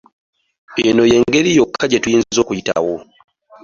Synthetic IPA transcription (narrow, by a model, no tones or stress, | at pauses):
enoje̞ːŋɡe̞ɾijokʰːaɟetujiːnzizo̞ːkujita̰wo